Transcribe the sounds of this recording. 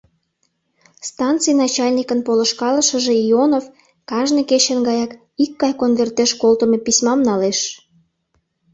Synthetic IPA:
st̪ɑnt̪t͡sɨjnɑt͡ɕɑlʲnʲikənpolə̆ʃkɑləʃə̆ʒeionov | kɑʒneket͡ɕənɡɑjɑk | ikːɑjkonβert̪eʃkolt̪ə̆mepisʲmɑmnɑleʃ

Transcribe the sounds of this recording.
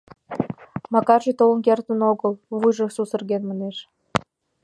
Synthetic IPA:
mɑkɑrt͡ɕet̪olənkert̪ə̆noɣəlvujʒɤ̆susə̆rɣenməneʃ

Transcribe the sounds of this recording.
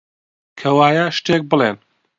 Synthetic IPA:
kʰɐwaːjɐʃt̪ek̚bɨlˠen

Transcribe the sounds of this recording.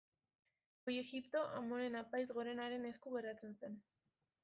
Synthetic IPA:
oje̞ɣipt̪o̞ʔamo̞ɾe̞napajzɣo̞ɾe̞naɾe̞ne̞skuɣeɾat͡se̞nse̞n

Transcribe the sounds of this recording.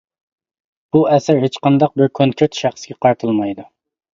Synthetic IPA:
b̥uɛsɪɾɦet͡ʃqɑnd̪ɑq̚bɪɾkʲʰonkʰʲɪt̪ʃæχsɨɡʲɛqʰɑɾt̪ʰɨlˠmɑjd̪u

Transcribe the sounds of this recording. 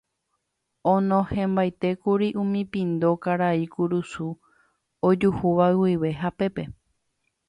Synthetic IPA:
õnõhẽmbajt̪e̞kuɾiʔũmĩpĩnd̪o̞kaɾaikuɾusu | od͡ʒuhuʋawiʋe̞ɦape̞pe̞

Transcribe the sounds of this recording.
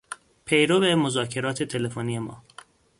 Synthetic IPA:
pʰe̞jɾobemozɒːcʰe̞ɾɒːt̪ʰet̪ʰe̞lefonije̞mɒ̰ː

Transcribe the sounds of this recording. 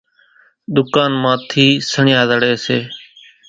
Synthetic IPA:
ɗ̪ʊkaːnmãːt̪ʰiːsəɳɪjaːd̪əɽeːseː

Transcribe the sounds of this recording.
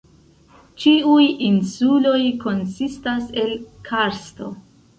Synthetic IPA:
t͡ʃiujinsulo̞jko̞nsistase̞lkʰaɾsto̞

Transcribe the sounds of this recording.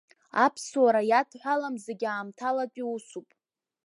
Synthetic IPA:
apʰswaɾajatʰħʷalamzeɡʲaːmtʰalat͡pʷʼiusupʼ

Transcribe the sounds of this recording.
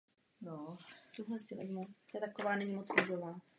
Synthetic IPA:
not̪uɦlɛzdɛvɛ̰zmut̪ɛt̪akovaːnɛɲimot͡snuʒovaː

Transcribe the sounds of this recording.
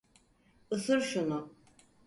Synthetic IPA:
ɯsɯɾʃunu

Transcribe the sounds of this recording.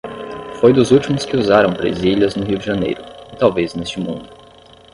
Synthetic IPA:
fojd̪ʊzuwt͡ʃimʊskɪuzaɾɐ̃w̃bɾḛziliɐznʊɦiwd͡ʒɪʒɐnḛjɾʊɪt̪awveznest͡ʃɪmṵ̃nd̪ʊ

